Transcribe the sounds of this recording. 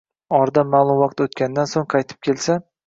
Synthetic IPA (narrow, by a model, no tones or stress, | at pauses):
ɒɾd̪amalˠʊmwɑq̚t̪ʰot̪kʲand̪ansoŋqʰɑjt̪ʰɪ̥p̚kʲʰelsa